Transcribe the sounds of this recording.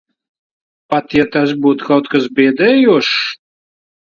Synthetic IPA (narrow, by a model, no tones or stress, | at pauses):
pat̪jat̪asbuːt̪kawt̪kasbʲɛːd̪ɛjuʃ